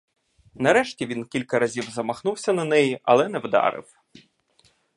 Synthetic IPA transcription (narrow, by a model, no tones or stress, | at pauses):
nɐɾɛʃtʲiʋʲinkʲilʲkɐɾɐzʲiwzɐmɐxnuwsʲɐnɐnɛjiʔɐ̰lˠɛnɛwd̪ɑ̰ɾɪ̰w